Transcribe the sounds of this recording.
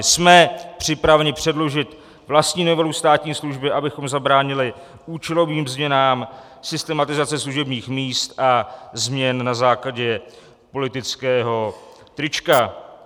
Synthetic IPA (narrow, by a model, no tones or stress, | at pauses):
smɛpr̝̥ɪpɾavɛɲɪpr̥ɛdlo̞ʒɪt̪ | vlast̪ɲiːnovɛlust̪aːt̪ɲiːsluʒbɪʔabɪxo̞mzabɾaːɲɪlɪ | ʔuːt͡ʃɛlo̞viːmzmɲɛnaːm | sɪst̪ɛmat̪ɪzat͡sɛsluʒɛbɲiːxmiːst̪ʔazmɲɛnnazaːklaɟɛ | po̞lɪt̪ɪt͡skɛːɦo̞ | t̪ɾɪt͡ʃka